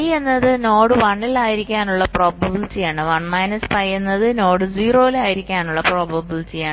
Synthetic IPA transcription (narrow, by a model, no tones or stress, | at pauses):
je̞nːɐðɨno̞ːɽɨʋɐɳːilaːjiɾikʲːaːnuɭːɐpro̞ːbɐbilt͡ɕijaːɳɨʋɐɳmɐjnɐspɐjenːɐðɨno̞ːɽɨd͡ʑiːro̞ːilaːjiɾikʲːaːnuɭːɐpro̞ːbɐbilt͡ɕijaːɳɨ